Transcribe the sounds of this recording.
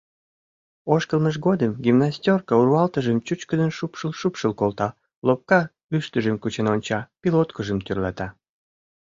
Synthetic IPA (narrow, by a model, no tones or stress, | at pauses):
oʃkəlməʃɡod̪əmɡʲimnasʲtʲorkəuɾuɑlt̪əʒəmt͡ɕut͡ɕkəd̪ənʃupʃəlˠʃupʃəlkolt̪ɑ | lop̚kɑ | yʃt̪əʒəmkut͡ɕenonʲt͡ɕɑpʲilot̪kəʒə̆mt̪yrlɑt̪ɑ